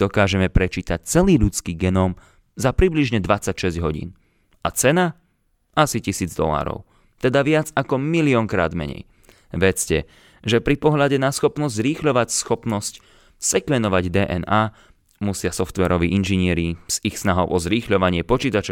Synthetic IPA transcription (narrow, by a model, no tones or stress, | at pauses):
d̪ɔkaːʒɛmɛpɾɛt͡ʃiːt̪ac̚t͡sɛliːʎut͡skiːɡɛnɔːm | zapɾibliʒɲɛd̪ʋat͡sacʃɛzɟɦɔɟḭːn | ʔat͡sɛna | asicisiːd͡zd̪ɔ̰la̰ːɾɔ̰ʊ | t̪ɛd̪aʋɪad͡zakɔmiliɔŋkɾa̰ːd̪mɛ̰ɲɛ̰j | ʋɛt͡scɛ | ʒɛpɾipɔɦlʎaɟɛnasxɔpnɔzzɾiːxʎɔʋacsxɔpnɔsc | sɛkʋɛnd̪ɔʋaɟd̪ɛːʔɛnaː | musɪasɔft̪ʋɛɾɔʋḭːʔinʒiɲɪɛɾiz̥ixsnaɦɔʊʔɔzɾiːxʎɔʋaɲɪɛpɔt͡ʃiːt̪at͡ʃɔ